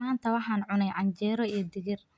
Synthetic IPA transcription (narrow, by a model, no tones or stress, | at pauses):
aːnt̪ʰɐwɑħɑːnʕʊnɛjʕɑɲt͡ʃɛːɾɔijɞd̪ɪɣɪr